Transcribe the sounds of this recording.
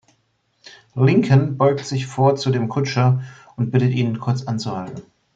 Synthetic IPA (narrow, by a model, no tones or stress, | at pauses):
lɪŋkʰənbɔʏktz̥ɪçfoːɐt͡sudeːmkʰʊt͡ʃɐ | ʊnt̚b̥ɪtətʔiːnənkʰʊɐt͡sʔant͡suhaltn̩